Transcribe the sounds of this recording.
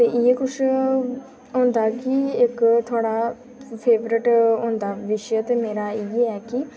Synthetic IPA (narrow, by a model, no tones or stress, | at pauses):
t̪eːʔiekʊʃ | ɦõːnd̪aːkiɪkt̪ʰoːɽaː | pʰeːʋɾɪʈɦõːnd̪aːʋɪʃjət̪eːmeːɾaːiːeɛːki